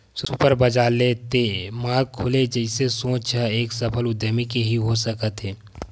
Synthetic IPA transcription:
supəɾbəd͡ʒaːlet̪emãːkʰːʊled͡ʒɛɪsesõːt͡ʃʰaeːksɐpʰəlʊd̪əmikeɦiɦosəkət̪ɦeː

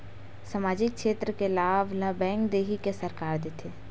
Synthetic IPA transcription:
samaːd͡ʒɪkʃeːt̪ɾəkelaːʋlabɛ̃ːŋkd̪eːɦikesəɾkaːɾd̪eːt̪ʰeː

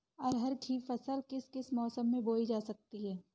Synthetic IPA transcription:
ɔːɾɦɐɾʈʰiːfɐsəlkɪskɪsmɔːsəmːẽboːid͡ʒaːsɐk̚t̪iɦɛː

